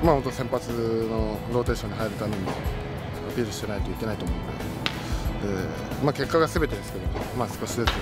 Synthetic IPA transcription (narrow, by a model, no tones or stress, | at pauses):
maho̞nt̪osẽ̞mpat͡sɨno̞ɾo̞ːt̪e̞ːɕo̞ːɲ̟iɦaiɾɯt̪anõɲd̪e | apʲiːɾɯ̟ɕi̥t̪e̞nait̪o̞ike̞nait̪o̞ːmo̞ɯ̃na̰d̪ | e | maːke̞kːaɡasɨbe̞t̪e̞d̪esɨ̥ke̞d̪o̞omaːsɨ̥ko̞ɕid̪esɨke